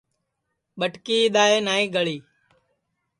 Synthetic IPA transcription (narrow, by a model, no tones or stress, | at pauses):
ɓəʈkiːɗ̪aːeːnaːĩːɡəɭiː